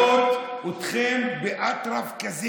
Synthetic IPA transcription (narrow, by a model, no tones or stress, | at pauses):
ot̪ut̪χɛnbeʔat̪ɾafkazi